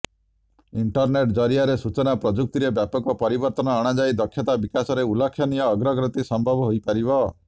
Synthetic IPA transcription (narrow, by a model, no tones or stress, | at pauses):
iɳʈɔɾneʈd͡ʒɔɾijaɾesut͡ʃɔnapɾɔd͡ʒuk̚t̪iɾebjapɔkɔpɔɾibɔɾt̪ɔnɔːɽ̃ad͡ʒajd̪ɔkʰjɔt̪abikasɔɾeulɔkʰːjɔnijɔːɡɾɔɡɾɔt̪isɔmbʱɔbɔɦojpaɾibɔ